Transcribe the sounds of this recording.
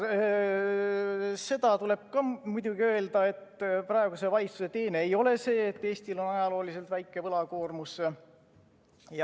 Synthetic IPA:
se̞d̪̥ɑt̪ule̞b̥̚kɑmud̪uɡiø̞e̞ld̪ɑe̞t̪ːprɑe̞ɡ̥use̞vɑlʲit̪suse̞t̪e̞ːneːjo̞le̞se̞ːt̪ːe̞ːst̪ilo̞nɑjɑlo̞ːlise̞lt̪væjkːˑe̞vɤlɑkoːrmuse | j

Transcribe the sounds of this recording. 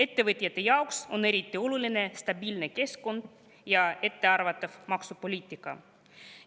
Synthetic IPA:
e̞t̪ːe̞vɤt̪ʲˑijɑt̪ːˑe̞jɑokso̞ne̞ɾit̪ʲˑːio̞lulʲine̞st̪ɑbiːlne̞ke̞sko̞nd̪̥ | jɑe̞t̪ːe̞ɑrvɑt̪ːˑɑvmɑksupo̞lʲiːt̪ːˑikːˑɑ̰

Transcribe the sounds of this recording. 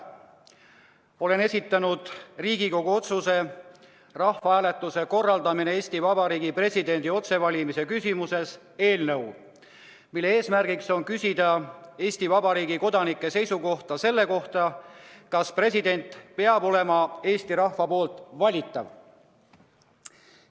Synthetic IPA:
o̞le̞ne̞sʲit̪ːˑɑnud̪̥riːɡ̥iko̞ɡ̥uo̞t̪suse̞ | rɑhvɑæːle̞t̪ˑːuse̞ko̞rːɑld̪̥ɑminee̞ːsʲt̪ivɑbɑɾiːɡipre̞sid̪e̞nʲd̪io̞t̪se̞vɑlʲimise̞kysimuse̞s | e̞ːlnɤw | milːe̞e̞ːsmærɡiksonkysʲid̪̥ɑe̞ːsʲt̪ivɑbɑɾiːɡiko̞d̪ɑnikːˑe̞se̞jsuko̞ht̪ɑse̞lːe̞ko̞ht̪ɑkɑspre̞sid̪e̞nʲt̪ˑpe̞ɑbo̞le̞mɑe̞ːst̪iɾɑhvɑpo̞ːlt̪ˑvɑlʲit̪ːˑɑ̰v

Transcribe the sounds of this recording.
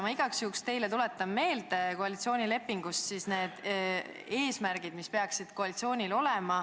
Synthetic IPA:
mɑiɡ̥ɑksjuːkst̪e̞jlet̪ule̞t̪ːˑɑmːe̞ːld̪ekoɑlit̪sio̞ːnʲile̞pːiŋɡ̥ust̪sisne̞ːd̪̥ | e̞ːsmæɾɡ̥id̪mispe̞ɑksid̪̥koɑlit̪sio̞ːnʲilo̞lɛmɑ

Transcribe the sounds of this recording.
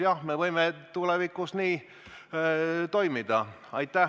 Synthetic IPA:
jɑhmevɤjmet̪ulevikːˑusniː | t̪o̞jmid̪̥ɑ | ɑjt̪ːæ

